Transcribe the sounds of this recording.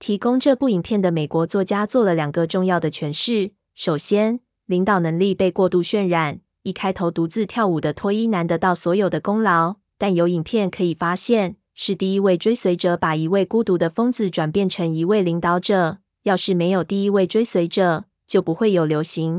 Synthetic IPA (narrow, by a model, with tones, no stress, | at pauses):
t̪ʰi˧˥kʊ˥ŋʈ͡ʂɤ˥˧pu˥˩i˨˩ŋpʰjɛ˥˩nd̪ə˩me˨˩kwɔ˧˥t͡swɔ˥˩t͡ɕja˥t͡swɔ˥˩lə˩ljɑ˨˩ŋɡə˧˦ʈ͡ʂʊ˥˧ŋjɑ˥˩ʊd̪ə˩t͡ɕʰɥɛ˧˥nʂɻ̩˥˩ | ʂo˨˩ʊɕjɛ˥n | li˧˥ŋt̪ɑ˨˩ʊnɤ˧˥ŋli˥˧pe˥˧ɪkwɔ˥˧t̪u˥˧ɕɥɛ˥˧nɻa˨˩n | i˥˩kʰa˥ɪt̪ʰo˧˥ʊt̪u˧˥t͡sɹ̩˥˧t̪ʰjɑ˥˩ʊu˨˩d̪ə˦t̪ʰwɔ˥i˥na˧˦nd̪ə˧t̪ɑ˥˩ʊswɔ˧˥jo˨˩ʊd̪ə˦kʊ˥ŋlɑ˧˦ʊ | t̪a˥˩njo˧˥ʊi˨˩ŋpʰjɛ˥˩nkʰɤ˧˥i˨˩fa˥ɕjɛ˥˨n | ʂɻ̩˥˧t̪i˥˩i˧˥we˥˩ɪʈ͡ʂwe˥ɪswe˧˥ɪʈ͡ʂɤ˧˥pa˨˩i˧˥we˥˩ɪku˥t̪u˧˥d̪ə˧fɤ˥ŋt͡sɹ̩˨ʈ͡ʂwa˨˩npjɛ˥˩nʈ͡ʂʰə˧˥ŋi˧˥we˥˩ɪli˧˥ŋt̪ɑ˧˥ʊʈ͡ʂɤ˨˩ | jɑ˥˧ʊʂɻ̩˥˩me˧˥ɪjo˨˩ʊt̪i˥˩i˧˥we˥˩ɪʈ͡ʂwe˥ɪswe˧˥ɪʈ͡ʂɤ˨˩ | t͡ɕjo˥˩ʊpu˧˦xwe˥˩ɪjo˨˩ʊljo˧˥ʊɕi˧˥˦ŋ